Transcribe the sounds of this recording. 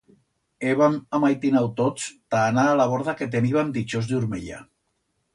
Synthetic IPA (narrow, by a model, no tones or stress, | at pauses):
eβamamajt̪inawt̪ot͡st̪aːnaːlaβoɾðaket̪̬eniβamd̪it͡ʃozðuɾmḛʎa̰